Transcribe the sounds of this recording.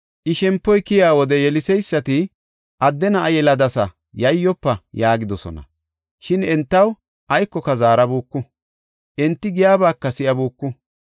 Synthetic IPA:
ʔɪʃɛmpːɔjkɪjaːwɔd̪ɛjɛlɪsɛjsːɐt̪ɪ | ʔɐd̪ːɛnɐʔːjɛlɐd̪ɐsɐ | jɐjːɔpːɐjaːɡɪd̪ɔsɔ̰nɐ̰ | ʃɪnɛnt̪ːɐw | ʔɐjkːɔkɐzaːɾɐbuːkːʊ | ʔɛnt̪ːɪɡɪjaːbaːkːɐsɪʔɐbuːkːʊ

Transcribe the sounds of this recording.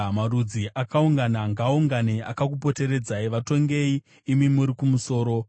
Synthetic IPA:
maɾud͡ziʔakauŋɡanaŋɡauŋɡanea̰kak̬upo̞te̞ɾe̞d͡zaiʋato̞ŋɡe̞iː | mimuɾikumuso̞ːɾo̞

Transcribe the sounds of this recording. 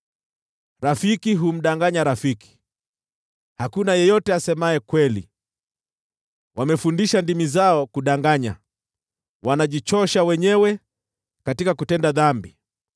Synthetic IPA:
ɾafikiɦum̩ɗaŋɡaɲaɾafiki̥ | hakunajɛjɔtɛasɛmaɛkwɛlḭ | wamɛfundiʃandimizaɔkuɗaŋɡaɲa̰ | wanaʄit͡ʃɔʃawɛɲɛwɛ | katikakutɛndaðambi

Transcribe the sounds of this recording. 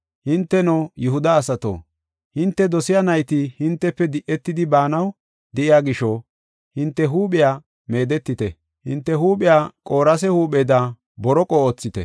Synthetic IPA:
hɪnt̪ːɛnojʊɦʊd̪ɐːsɐt̪o̰ː | hɪnt̪ːɛd̪ɔsɪjanɐjt̪ihɪnt̪ːɛpːɛd̪ɪʔɛt̪ːɪd̪ɪbaːnɐw | d̪ɛʔɪjaːɡɪʃo | hɪnt̪ːɛɦuːɓɪjaː | me̞ːd̪ɛt̪ːɪt̪ɛ̰ | hɪnt̪ːɛɦuːɓɪjaːkʼo̞ːɾɐs̬ɛhuːɓed̪a | bɔɾɔkʼɔoːt͡sːɪt̪ɛ̰

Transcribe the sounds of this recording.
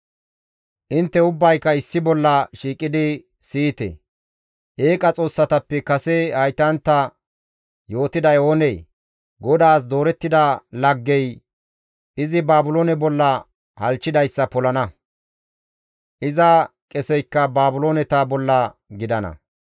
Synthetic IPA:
ʔɪnt̪ːɛʊbːɐjkːɐɪsːɪbɔlːɐʃiːkʼːɪd̪ɪ | siːt̪ɛ̰ | ʔeːkʼɐt͡sʼo̞ːsːɐt̪ɐpːɛkɐsɛhɐjt̪ɐnt̪ːɐ | jo̞ːt̪ɪd̪ɐjoːnɛj | ɡɔd̪aːs̬d̪o̞ːɾɛt̪ːɪd̪ɐlɐɡːɛj | ʔɪzɪbaːbʊloːnɛbɔlːɐ | hɐlt͡ʃːɪd̪ɐjsːɐpɔlɐnɐ | ʔɪzɐkʼɛsɛjkːɐbaːbʊlo̞ːnɛt̪ɐbɔlːɐɡɪd̪ɐnɐ̰

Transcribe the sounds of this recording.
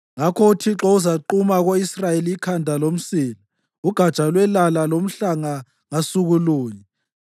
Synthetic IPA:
ŋakʰɔutʰiǁɔuzaǃumaɣoisrajeliikʰandʱalom̩siːla | uɡ̥ʱḁt͡ʃʼalwɛlalalom̩ɬaŋa | ŋasuɣuluːɲɛ

